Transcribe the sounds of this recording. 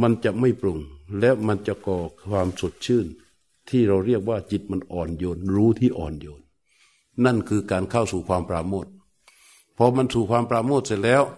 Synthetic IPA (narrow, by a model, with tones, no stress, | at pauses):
ma˧nt͡ɕa˧˨ma˥˩jpɾo˧˩ŋlɛː˦˥wma˧nt͡ɕa˧kɔː˨˩waː˧mso˨˧˩t̪̚t͡ɕʰɯː˧˥˩n | t̪ʰiː˧˥˩ɾa˧wɾi˥˩ək̚waː˧˩t͡ɕi˧˦t̪̚ma˧nʔɔː˨˩njoː˧nɾuː˦˥t̪ʰiː˧˩ʔɔ̰ː˨˩njoː˧nː | a˥˩˨nkʰɯː˧kaː˨˩nkʰa˥˩wsuː˨˩kʰwaː˧mpɾaː˧moː˥˩t̪̚ | pʰɔ˧ma˧˥nsuː˧˩kʰwaː˧mpɾaː˧moː˥˩t̪̚sa˧˩lɛː˦˧˥w